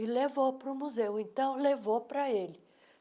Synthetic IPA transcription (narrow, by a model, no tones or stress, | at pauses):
ɪlevopɾʊmuzewẽnt̪ɐ̃w̃levopɾɐelɪ